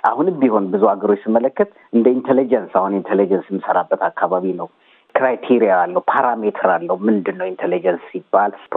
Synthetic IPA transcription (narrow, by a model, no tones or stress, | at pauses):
ʔa̰hunbiho̞nbɨzuaɡəɾo̞t͡ʃːsimːələkːət̪ | ʔɨnd̪əint̪ʰelid͡ʒənsahunint̪ʰelid͡ʒənsjɛmːɨsəɾabːət̪akʰːaβaβinəw | kɾajt̪ʰiɾijaalːəwupʰaɾamet̪ʰɾalːəhumɨnd̪ɨnːəwint̪ʰelid͡ʒənsːibːal